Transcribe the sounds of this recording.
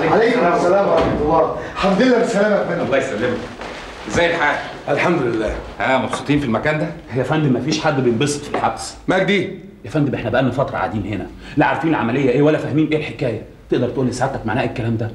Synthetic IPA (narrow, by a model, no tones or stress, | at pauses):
alejkomæsːælæːmwɾˤɑħmɑt̪olˤːɑːħabd̪elːæbesælæːmækmenɑlˤːɑːjesælːemæ | ʔezæːjelħaːɡæ | ʔælħamd̪olelːæːʔæːmɑbso̥t̪ˤiːnfilmækæːnd̪æhejæfænd̪emæfiːʃħad̪ːbejembese̥t̪filħabsmæɡd̪iː | jæfænd̪ebʔeħnæbeʔænːæfɑt̪ɾˤɑ̰ʕa̰ːd̪iːnhenæ | liʕaɾˤfiːnelʕamælejːæʔeːwælːæfæhmiːnʔeːlħekæːjæ | t̪eʔd̪ɑɾˤt̪eʔuːlːisaʕed̪t̪ːækmaʕnæːhʔekːælæːmd̪æ